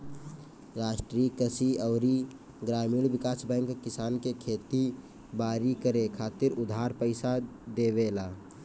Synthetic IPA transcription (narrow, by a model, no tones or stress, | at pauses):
ɾaːʃʈɾiːkəsiəʊɾi | ɡɾaːmilbɪkaːsbɛ̃ːŋkkɪsaːnkekʰeːt̪i | baːɾikəɾekʰaːt̪ɪɾʊd̪ʱaːɾpəɪsad̪eːbelaː